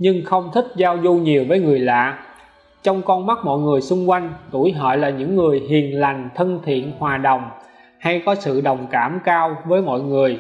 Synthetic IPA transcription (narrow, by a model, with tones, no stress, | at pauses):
ɲɨ˧ŋxə˧wŋ͡mt̪ʰï˦˥k̟̚zaː˧wzu˧ɲi˨˩əwvəː˨˦jŋɨ˨˩əjla̰ː˧˨ | t͡ɕɔ˧wŋ͡mkɔ˧nma˦˥t̚mɔ̰˧˨jŋɨ˨˩əjsʊ˧ŋ͡mkwa˧jŋ̟t̪u˧˩jɦə̰ː˧˨jlaː˨˩ɲɨ̰˧˥ŋːɨ˨˩əjɦi˨˩ənla˨˩jŋ̟t̪ʰə˧nt̪ʰḭ˧˨ənhwaː˨˩ɗə˨˩wŋ͡m | ha˧jkɔ˨˦sɨ̰˧˨ɗə˨˩wŋ͡mkaː˧˩mkaː˧wvəː˨˦jmɔ̰˧˨jŋɨ˨˩əj